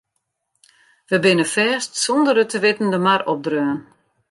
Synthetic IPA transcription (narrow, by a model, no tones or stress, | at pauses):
ʋəbɪnəfɛːstsɔndəɾətʰəʋɪtn̩dəmarɔp̚drøːən